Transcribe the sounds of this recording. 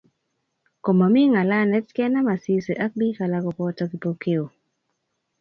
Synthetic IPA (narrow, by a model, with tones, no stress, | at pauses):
ko˨ma˨mi˦ŋa˨la˦nɛ˦tkɛ˦na˦ma˨si˦se˨ʔa˦k̚bi˦ka˨la˨ɡɔ˨pɔ˦ta˦ki˨po˨ke˦o˨